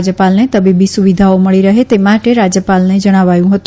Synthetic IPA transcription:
d͡ʒjəpalnet̪əbibisuʋid̪ʱaoməɭiɾəɦet̪emaʈeɾad͡ʒjəpalned͡ʒəɽ̃aʋajũɦət̪u

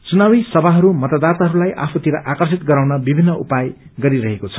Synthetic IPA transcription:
t͡sunawisʌbʱaɦʌɾumʌt̪ad̪at̪aɦʌɾulajʔa̰pʰut̪iɾʌʔakʌrsit̪ɡʌɾawnʌbibʱinːʌʔupajɡʌɾiɾʌɦekot͡sʰʌ̥

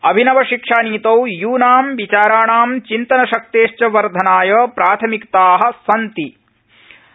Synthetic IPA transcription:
ɐbʱinɐʋɐʃikʂaːniːt̪ɐwjuːnaːmʋit͡ʃaːɾaːɳaːmt͡ʃint̪ɐnɐʃɐk̚t̪eːʃt͡ʃɐʋɐɾd̪ʱɐnaːjɐːpɾaːt̪ʰɐmikt̪aːɦɐ̆sɐnt̪i

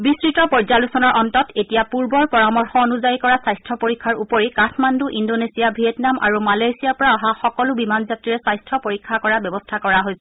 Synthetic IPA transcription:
bisɹitɔpɔɹzalusɔnɔɹʔɔntɔtetijapuɹbɔɹpɔɹamɔɹxɔonuzajikɔɹasajstʰɹɔpoɹikʰːaɹupoɹikaxmanduʔindonesijabʱiɛtnamʔa̰ɹumalajsijaɹpɔɹaaɦaxɔkɔlʊbimanzatɹiɹɛsajstʰɔpoɹikʰːakɔɹabɛbɔstʰakɔɹaɦojsɛ̥

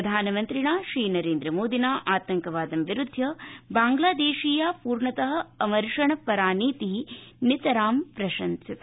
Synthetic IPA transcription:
ɐd̪ʱaːnɐmɐnt̪ɾiɳaːʃɾiːnɐɾeːnd̪ɾɐmoːd̪inaːʔaːt̪ɐŋkɐʋaːd̪ɐmʋiɾud̪ʱːɐbaːŋɡlaːd̪eːʃiːjaːpuːɾɳɐt̪ɐɦɐ̆ɐmɐɾʂɐɳɐpɐɾaːniːt̪init̪ɐɾaːmpɾɐʃɐnsit̪

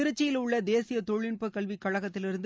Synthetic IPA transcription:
ɪɾɯt͡ʃːɪjɪlʊɭːɐd̪eːsɪjɐt̪ɔɻɪnpɐkɐɭʋikɐɭɐɣɐt̪ːɪlɪɾɯnd̪

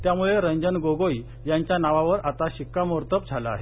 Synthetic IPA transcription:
t̪jamuɭeɾəɲd͡ʑənɡoɡoj | jaɲt͡ɕjanaʋaʋəɾat̪aɕikːamoɾt̪əp̚d͡zʱalaa̰ɦe

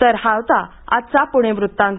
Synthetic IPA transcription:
t̪əɾhawt̪a | a̰tt͡sapuɽ̃eʋɾut̪ːãŋk

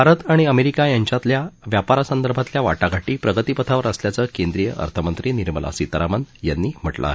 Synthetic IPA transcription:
bʱaɾət̪aɽ̃iəmeɾikajaɲt͡ɕat̪ljaʋjapaɾasənd̪əɾbʱat̪ljaʋa̰ʈaɡʱaʈiːpɾəɡət̪ipət̪ʰaʋəɾəsljat͡səːkend̪ɾijəʔə̰ɾt̪ʰəmənt̪ɾiniɾməla̰sit̪əɾamənjanːiːm̤əʈlʔa̰aɦe

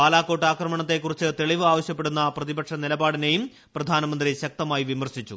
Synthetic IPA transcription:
aːlaːko̞ːʈːaːkrɐmɐɳɐt̪ːe̞kːurit͡ɕːɨt̪e̞ɭiʋɨaːʋɐɕjɐp̬ːe̞ɽunːɐprɐðibɐkʂɐnilɐbaːɽine̞jum | prɐd̪ʱaːnɐmɐnd̪riɕɐk̚t̪ɐmaːjiʋimɐrɕit͡ɕːṵ

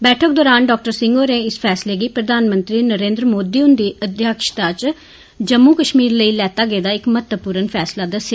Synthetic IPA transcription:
bɛːʈʰək̚d̪ɔːɾaːnɖɔːk̚ʈəɾsɪ̃ŋɡoːɾẽːɪspʰɛːsleːɡiːpɾəd̪aːnmə̃nt̪ɾiːnəɾẽːnd̪ɾəmoːd̪iːʊnd̪iːəd̪ʱjaːkʃt̪aːt͡ʃ | d͡ʒəmːuːkəʃmiːɾləiːlɛːt̪aːɡəeːd̪aːɪkmət̪əpuːɾənpʰɛːslaːd̪əsjaː

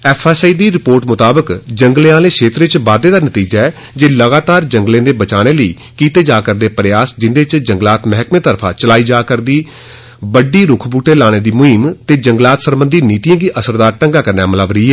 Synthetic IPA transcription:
ɛːpʰaːsːiːd̪iːɾɪpoːɾʈmʊt̪aːbəkd͡ʒəŋɡleãːlẽːʃʰeːt̪ɾɪt͡ʃʋaːd̪eːd̪aːnət̪iːd͡ʒaːɛː | d͡ʒeːləɡaːt̪aːɾd͡ʒəŋɡlẽːd̪eːbət͡ʃaːɽ̃eːləḭː | kiːt̪eːd͡ʒaːkəɾd̪eːpəɾɪjaːsd͡ʒɪnd̪eːt͡ʃd͡ʒəŋɡlaːt̪mɛɦkmẽːt̪əɾpʰãːt͡ʃəlaːiːd͡ʒaːkəɾd̪iː | bəɖiːɾʊkʰbuːʈeːlaːɽ̃eːd̪iːmʊɦɪmt̪eːd͡ʒəŋɡlaːt̪səɾbənd̪iːniːt̪ijãːɡiːʔəsəɾd̪aːɾʈəŋɡaːkəɾnaːmələʋɾiːɛː

